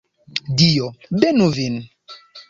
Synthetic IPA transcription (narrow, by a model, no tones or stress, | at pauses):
dijɔbenuvin